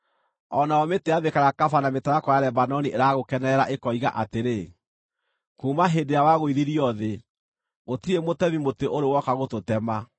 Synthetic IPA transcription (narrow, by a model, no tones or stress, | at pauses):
ɔnaɔmeteaβekaɾakafanametaɾakɔjaɾɛbanɔniʔeɾaɣokɛnɛɛɾaʔekɔiɣa̰ʔateɾe | kuːmaɦendeawaɣoiðiɾiɔðe | ɣotiemotɛβimoteʔoɾewɔkaɣototɛma